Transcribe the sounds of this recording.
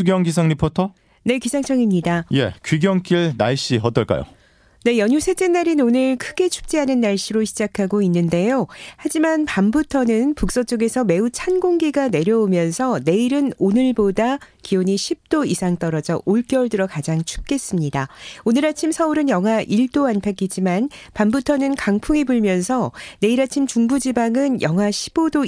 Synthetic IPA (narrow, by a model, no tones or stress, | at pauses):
uɡjʌŋɡisʰaŋɲipʰotʰʌ | ne̞kisʰaŋt͡ɕʰʌŋimɲidaje̞̰kɥiɡjʌŋk͈iɭna̰ɭɕ͈iʌt͈ʌɭk͈a̰jo̰ | ne̞jʌɲusʰet͡ɕ͈enːaɾinonɯɭkʰɯɡe̞t͡ɕʰu̥p̚t͡ɕ͈iɦanɯnːaɭɕ͈ʰiɾoɕʰid͡ʑakʰaɡoinːɯnde̞johad͡ʑimanpambutʰʌnɯnpuk̚s͈ʌt͡ɕ͈oɡe̞sʰʌme̞ut͡ɕʰanɡoŋɡiɡane̞ɾjʌomjʌnsʰʌne̞iɾɯnonɯɭbodakioɲiɕʰip̚t͈oisʰaŋt͈ʌɾʌd͡ʑʌʔoɭk͈jʌuɭdɯɾʌkad͡ʑaŋt͡ɕʰu̥p̚k͈e̞s͈ɯmɲidaonɯɾat͡ɕʰimsʰʌuɾɯnjʌŋɦaʔiɭt͈oanpʰak͈id͡ʑimanpambutʰʌnɯnkaŋpʰuŋibuɭmjʌnsʰʌne̞iɾat͡ɕʰimt͡ɕuŋbud͡ʑibaŋɯnjʌŋɦaɕʰi̥b̥odo